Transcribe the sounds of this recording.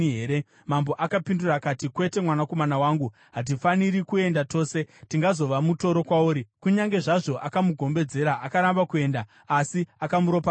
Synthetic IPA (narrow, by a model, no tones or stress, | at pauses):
ɦeːɾe | mambo̞ʔakapindurakatikwe̞te̞mwanako̞manawaŋɡu | ɦat̬ifaniɾikue̞ndato̞ːse̞tiŋɡazo̞ʋamuto̞ɾo̞kwauːɾikuɲaŋɡe̞ʐaʐo̞ʔakamuɡʱo̞mbe̞d͡ze̞ɾaʔakaɾambakue̞ːnda | asiakamuɾo̞pa